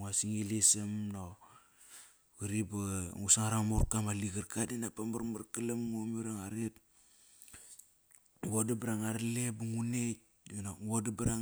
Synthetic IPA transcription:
ŋasiŋilisamno | ɣuɾibaŋusaŋaɾaŋmuɾkamaliɡaɾkadenapambaɾmaɾkalamŋomiɾaŋaɾet | ɡodabɾaŋaɾlebuŋune | ŋnaŋodabɾaŋ

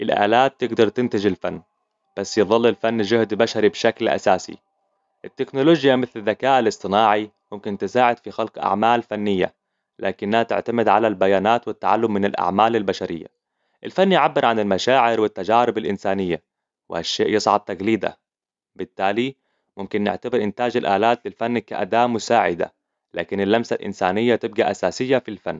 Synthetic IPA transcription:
ʔɪlʔa̰ːlaːt̪ːɪɡd̪ɑɾˤt̪ɪnt̪ɪd͡ʒɪlfanː | b̥asːjɨðˤɨlːɪlfanːd͡ʒʊhd̪baʃaɾibʃaklʔa̰saːsḭ | ʔɪt̪ːɪknʊloːd͡ʒjamɪθlɪðːakaːʔɪlɨsˤt̪ˤɨnɑːʕimʊmkɪnt̪ɪsaːʕɪd̪fixalqʔa̰ʕmaːlfanːɪjːa̰ | laːkɪnːhat̪ɪ̰ʕt̪amɪd̪ʕalalbajaːnaːt̪wɪt̪ːaʕalːʊmːɪnɪlʔa̰ʕmaːlɪlbaʃaɾɪ̰jːa̰ | ʔɪlfanːjʕabːɪɾʕanɪlmaʃaːʕɪɾwɪt̪ːad͡ʒaːɾɪbalʔɪnsaːnɪjːa̰ | wɪhaʃːaːʔjɨsˤʕɑb̚t̪aɡliːd̪a̰ | bɪt̪ːaːli | mʊmkɪnːɪ̰ʕt̪abɪɾʔɪnt̪aːd͡ʒalʔaːlaːt̪lɪlfanːkaʔa̰d̪aːʔmʊsaːʕɪd̪a̰ | la̰ːkɪnɪlʔamsalʔɪ̰nsaːnɪjːat̪ɪb̚ɡaʔasaːsɪjːafilfanː

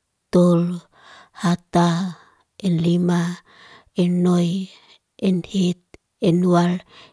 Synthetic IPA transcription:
t̪ol | hat̪a | enlima | enːoj | enhet̪̚ | enual

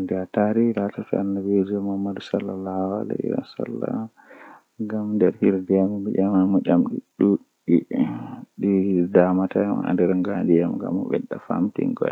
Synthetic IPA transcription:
ndɛataɾilatatɔanːawed͡ʒɔmahmːadusalːalawalɛiɾa̰sa̰lːa | ɡamndɛɾhiɾdiamabɛʔamamɔʔamɗiɗuɗ | i | ɗidamatamha̰ndɛɾaŋɡandijamɡa̰mɔ̰ɓɛ̰ɗafa̰mtḭŋɡɔj

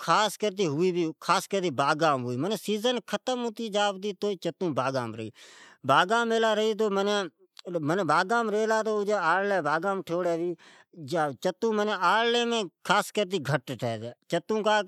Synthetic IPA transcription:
kʰaːskəɾt̪̬iːɦʊiːbiːkʰaːskəɾt̪iːbaːɡaːmɦʊiːməneːsiːzənkʰət̪əmɦʊt̪iːd͡ʒaːbd̪iːt̪oːt͡ʃət̪ũːbaːɡaːmɾəḭːbaːɡaːmeːlaːɾəiːt̪̬oːmənẽː | məneːbaːɡaːmɾeːlaːt̪oːd͡ʒeːaːɽleːbaːɡãːmʈʰoːɽeːʋiː | d͡ʒaːt͡ʃət̪ːũːməneaːɽlẽːmẽːkʰaːskəɾt̪̬iːɡʱəʈʈʰɛːeːt͡ʃət̪ũːkaː

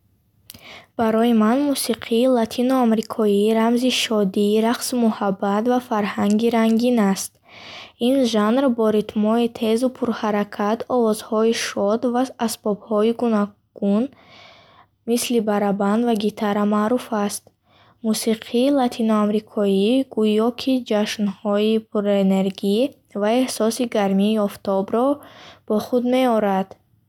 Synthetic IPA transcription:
b̥aɾɔjimanmusiqʰiːlat̪ʰinɔamɾikʰɔiɾamziʃɔd̪iːɾaqsimuhabːat̪vafaɾhaŋɡiɾaŋɡinast̪̚ | inʒanɾbɔɾit̪mɔit̪ʰe̞zupʰuɾhaɾakʰat̪ʰɔvɔzhɔiʃɔd̪vaasbɔbhɔiɡunɔ | ɡ̥un | mislibaɾaband̪vaɡit̪ʰaɾamaːɾufast̪̚ | musiqʰiːlat̪ʰinɔamɾikʰɔiɡujɔkʰid͡ʒaʃnhɔipʰuɾene̞ɾɡi | vae̞hsɔsiɡaɾmiːɔft̪ɔbɾɔb̥ɔχud̪me̞ɔɾad̪̥

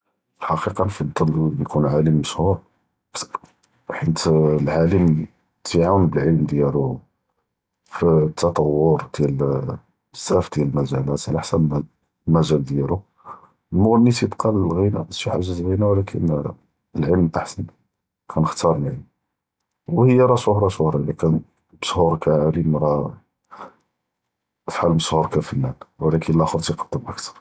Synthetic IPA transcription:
lħɑqiqɑnfɑd̪ˤːɑljkʰunʕaləmːəʃhuɾ | b | ħit̪lʕaləm | t̪ʰəʕawənbəlʕəlmd̪jælu | fit̪ʰːɑt̪ˤɑwːʊɾd̪̥jæl | sːæfd̪jæləlmæʒælæt̪ʕlaħsæb | mæʒæld̪jælu | əlmʊɣənːit̪jəbqʰɑləlɣinæ̰iħaʒəzɣinæwlækʰə̰n | əlʕəlmʔaħsən | kʰænəxt̪ɑɾˤlʕəlm | whəjːaɾˤɑʃohɾˤɑʃʊhɾˤɑlːikæn | məʃhuɾˤkæʕaɾimɾˤɑ | fħalməʃhuɾkæfənːænwəlækʰənəlʔæxəɾˤt̪ijqɑ̥d̪̥ːəmʔækt̪ɑ̥ɾˤ

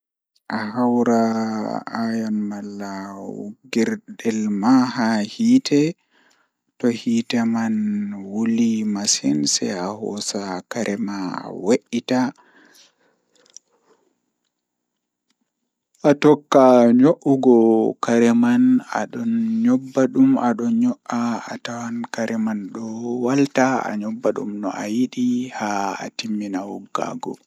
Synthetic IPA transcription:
ʔahawɾa | ajɔnmalːaṵɡɛɾɗɛlmahahiːtʰɛ | tɔhiːtɛmanwulimasinsɛ̰ahɔ̰sakaɾʔɛmaweʔita | ʔatɔkːaɲoʔuɡɔkaɾɛmana̰ɗɔnɲɔbːaɗumaɗɔnɲɔʔaatawankaɾʔɛmanɗɔwaltaa̰ɲɔbːaɗṵmnɔ̰ʔa̰jiɗihaa̰timːinawuɡa̰ɡɔ̰

